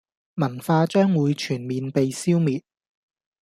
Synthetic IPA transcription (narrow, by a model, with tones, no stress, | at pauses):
mɐ˨˩nfaː˧t͡ʃœː˥ŋwuː˨˧jt͡ʃʰyː˨˩nmiː˨npe˨jsiː˥wmiː˨t̚